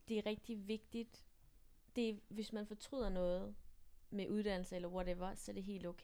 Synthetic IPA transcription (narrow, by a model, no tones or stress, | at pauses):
d̥e̝æʁɛɡ̥̚d̥iʋe̝ɡ̥d̥id̥ | d̥e̝ʋe̝smænfɒ̽t͡sʰʁy̰ð̰ˠɐnɔ̽ːð̞̩ˠmeʔuðˠd̥æn̰l̩səelɐwɒ̽ɾeʋɐsɒ̽æɐɾ̥e̝ɦe̝̰ːld̥oʊkʰe